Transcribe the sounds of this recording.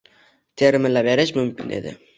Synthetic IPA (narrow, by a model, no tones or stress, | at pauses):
t̪ʰeɾɪmɪnlabeɾɪʃmʊmkʲɪnʔḛd̪ɪ̰